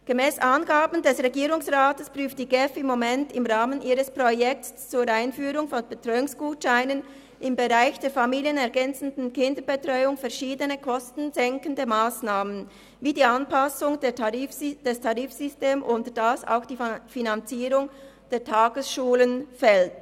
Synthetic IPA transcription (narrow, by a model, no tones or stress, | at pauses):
ɡ̥əmɛːsʔaːnɡaːbn̩dɛsʁeɡiːʁʊŋsʁaːtəspʁyːftd̥iːɡɛfɪmːomɛntɪmʁaːmənʔiːʁəspʁ̥ojɛk̚ts | t͡suːɾaɪnfyːʁʊŋfɔnbetʁ̥ɔʏʊŋsɡ̥uːtʃaɪnən | ʔɪmbeʁaɪçd̥eːɐfamiːljənɛɐɡɛnt͡sn̩dn̩kɪndəbetʁ̥ɔʏʊŋfɛɐʃiːdənəkʰɔstn̩zɛŋkən̩dəmaːsnaːmən | viːdiːɑnpasʊŋdeʁifd̥ɛstʰɑʁiːfz̥ʏsteːmʔʊntədasa̰ʊxd̥iːfinant͡siːʁʊŋd̥eːɐtʰaːɡ̥əsʃuːlənfɛlt